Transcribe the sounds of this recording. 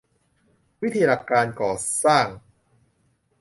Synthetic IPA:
wi˦˥t̪ʰiː˧la˧˨˩kːaː˧nkɔː˨˩saː˥˩ŋ

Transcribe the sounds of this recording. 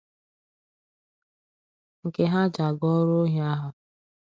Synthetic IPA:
ŋ̩˨ke˨ɦa˦d͡ʒa˨ɡɔ˦ɾo˦ɦa˦ɦʊ˨

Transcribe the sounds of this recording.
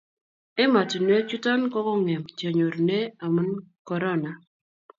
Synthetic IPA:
e˦ma˨ti˨nwe˦t͡ʃu˦tɔ˦nkɔ˦kɔ˦ŋɛ˨mta˨ɲo˨ɾne˦a˨mɨ˦nkɔ˨ɾɔ˦na˨

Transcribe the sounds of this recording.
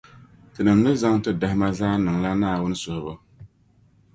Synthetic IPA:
tɨ˨nɨ˨mnɨ˦za˦ŋ˦tɨ˦da˨hɪ˦ma˦zaː˦nɨ˨ŋla˦naː˦˨wʊ˦n˦sʊ˨hʊ˨bʊ˦

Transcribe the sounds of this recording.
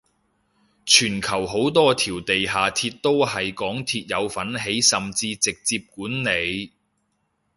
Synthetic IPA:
t͡ʃʰyː˨˩nkʰɐ˨˩wɦo˨˥wt̪ɔː˥t̪ʰiː˨˩wt̪e˨jɦaː˨t̪ʰiː˧t̚t̪o˥whɐ˨jkɔː˨˥ŋt̪ʰiː˧t̚jɐ˨˧wfɐ˨˥nɦe˨˥jsɐ˨mt͡siː˧t͡sɪ˨k̚t͡siː˧p̚kuː˨˥nne˨˧j

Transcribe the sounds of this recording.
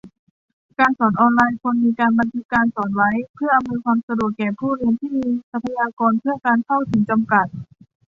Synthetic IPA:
kaː˧nsɔː˩˦nʔɔː˧nlaː˧jkʰo˧nmiː˧kaː˧nba˧nt̪ʰɯ˦˥kːaː˧nsɔː˩˦n̚wa˦˥jpʰɯ˥˩ɐʔa˧mːɤː˧kʰwaː˧msa˧du˨˩ət̪̚kɛː˨˩pʰuː˥˩ɾi˧ənt̪ʰiː˥˩miː˧sa˧pʰa˧jaː˧kɔː˧npʰɯ˥˩əkaː˧nt̪ʰa˥˩wt̪ʰɯ˩˦ŋt͡ɕa˧mka˨˩t̪̚

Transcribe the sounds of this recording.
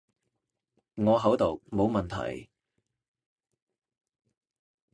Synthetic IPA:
ŋɔː˨˧ɦɐ˨˥wt̪o˨˩wmo˨˧wmɐ˨˩nt̪ʰɐ̰˨˩j

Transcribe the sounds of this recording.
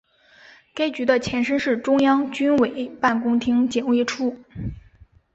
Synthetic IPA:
ka˥ɪt͡ɕy˧˥d̪ə˧t͡ɕʰjɛ˧˥nʂə˥nʂɻ̩˥˩ʈ͡ʂʊ˥ŋjɑ˥ŋt͡ɕy˥nwe˨˩ɪpa˥˩nkʊ˥ŋt̪ʰi˥ŋt͡ɕjɛ˨˩we˥˧ʈ͡ʂʰu˥˩

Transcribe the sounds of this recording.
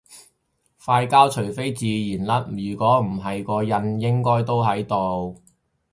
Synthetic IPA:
faː˧jkaː˥wt͡ʃʰɵ˨˩jfe˥jt͡siː˨jiː˨˩nlɐ˨˥t̚jyː˨˩kʷɔː˨˥m̩˨˩ɦɐ˨jkɔː˧jɐ˧njɪ˥ŋkɔː˥jt̪o˥wɦɐ˨˥jt̪o˨w

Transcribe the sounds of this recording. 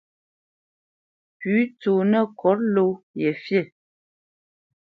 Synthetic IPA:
pʉ˨˦to˨nə˦˨kʰɔ˨˦ɾlo˦ | jɛ˨fje˦˨

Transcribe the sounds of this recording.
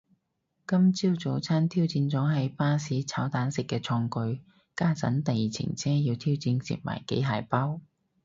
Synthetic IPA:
kɐ˥mt͡siː˥wt͡so˨˧˥wt͡sʰaː˥nt̪ʰiː˥wt͡siː˧nt͡sɔː˨˥ɦɐ˨˧jpaː˥siː˨˥t͡sʰaː˨˥wt̪aː˨˥nsɪ˨kːɛː˧t͡sʰɔː˧ŋkɵ˧ɥ | kaː˥t͡sɐ̰˨˥nt̪ɐ˨jiː˨˩t͡sʰɪ̰˨˩ŋt͡sʰɛː˥jiː˧wt̪ʰiː˥wt͡siː˧nsḭ˨t̚ma̰ː˨˩jkḛ˨˥jɦaː˨˩jpaː˥w

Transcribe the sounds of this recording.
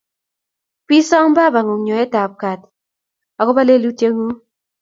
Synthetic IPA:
pi˦sɔ˦ŋ˦ba˦˨ba˨ŋu˨ŋɲo˨ɛ˦ta˨p̚ka˨t̚ | a˨kɔ˦ba˦le˦lu˦te˦ŋu˦

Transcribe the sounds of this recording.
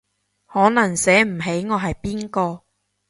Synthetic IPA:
hɔː˨˥nɐ˨˩ŋsɛː˨˥m̩˨˩ɦe˨˥jŋɔː˨˧ɦɐ˨jpiː˥nkɔː˧

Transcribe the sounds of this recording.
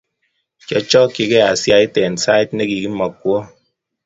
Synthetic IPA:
kɔ˨t͡ʃɔ˦ki˨kɛ˦a˨sja˦i˦tɛ˨n˨sa˦i˦t̚ne˦ki˨ki˦mɔ˨kːwɔ˦

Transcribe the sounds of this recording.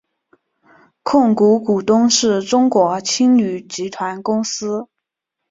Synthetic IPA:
kʰʊ˥˩ŋku˧˥ku˨˩t̪ʊ˥ŋʂɻ̩˥˩ʈ͡ʂʊ˥ŋkwɔ˧˥t͡ɕʰi˥ŋny˨˩t͡ɕi˧˥t̪ʰwa˧˥nkʊ˥ŋsɹ̩˥

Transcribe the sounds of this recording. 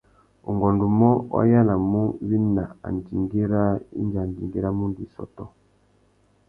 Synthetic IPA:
ṵ˨ŋɡɔ˨ndu˨mɔ˦wa̰˦ja˦la˨mu˦wi˦na˨a̰˨n˨di˨ŋɡi˦ɾa˦ḭ˦nd͡ʒa˨n˨di˨ŋɡi˦ɾa˦mu˦ndi˨sɔ̰˨tɔ˦

